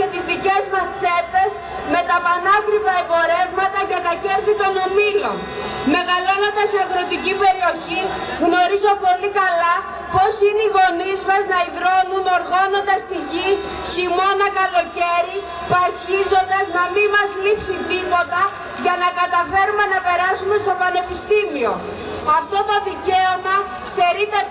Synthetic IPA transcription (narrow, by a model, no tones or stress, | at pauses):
e̞t̪izðice̞zmɐst͡se̞pe̞s | me̞t̪ɐpɐnɐkɾivɐebo̞ɾe̞vmɐt̪ɐcɐt̪ɐce̞ɾθit̪o̞nomilo̞n | me̞ɣɐlo̞nond̪ɐseɐɣɾo̞t̪icipe̞ɾio̞çi | ɣno̞ɾizo̞po̞likɐlɐ | po̞sineiɣo̞nizmɐznɐiðɾo̞nunoɾɣono̞nd̪ɐst̪iʝi | çimo̞nɐkɐlo̞ce̞ɾi | puɐsçizo̞nd̪ɐznɐmimɐzlipsint̪ipo̞t̪ɐ | ʝɐnɐkɐt̪ɐfe̞ɾume̞nɐpe̞ɾɐsume̞st̪o̞pɐne̞pist̪imio̞ | ɐft̪o̞t̪o̞ðice̞omɐ | st̪e̞ɾit̪e